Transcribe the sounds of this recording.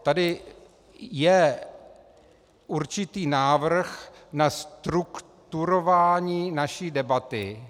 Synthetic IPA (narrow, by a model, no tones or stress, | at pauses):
t̪adɪ | jɛ | ʔuɾt͡ʃɪt̪iːnaːvr̩xnast̪ɾukt̪uɾo̞vaːɲiːnaʃiːdɛbat̪ɪ